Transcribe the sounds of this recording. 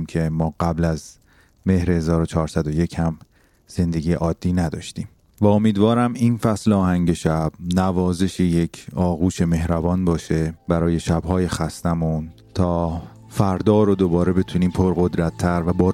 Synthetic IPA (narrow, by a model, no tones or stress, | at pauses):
mcʰe̞mɒːɢæblæz | me̞hɾehezɒːɾot͡ʃʰɒːɾsæd̪oje̞cʰhæm | z̥e̞nd̪eɡʲiːḛʔɒːd̪̥ːiːnæd̪ɒ̰ːʃt̪iːm | væomiːd̪vɒːɾæminfæsleɒːhæŋɟe̞ʃæb̥̚nævɒːze̞ʃejecʰɒːɣuːʃe̞me̞ɦɾæbɒːnbɒːʃe̞bæɾɒːje̞ʃæbɦɒːjexæst̪æmun | t̪ʰɒː | fæɾd̪ɒːɾod̪o̞bɒːɾe̞be̞t̪ʰuniːmpʰoɾɣo̞d̪ɾæt̪ʰːæɾvæbɒː